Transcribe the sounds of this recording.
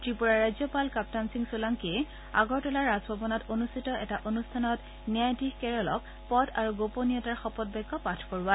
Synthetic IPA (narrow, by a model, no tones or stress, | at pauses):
tɹipuɹaɹajzjɔpalkap̚tansiŋsulaŋkiɛ | a̰ɡɔɹtɔlaɹːazbʱɔbɔnɔtonustʰitɔɛtaʔonustʰanɔt | niajtikkɛɹɔlɔk̚ | pɔda̰ɹuɡoponiɔtaɹxɔpɔt̚bɛɡɔpatʰkoɹuwa